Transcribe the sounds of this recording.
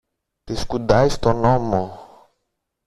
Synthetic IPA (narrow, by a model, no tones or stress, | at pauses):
t̪eskud̪ajst̪ɔnɔmɔ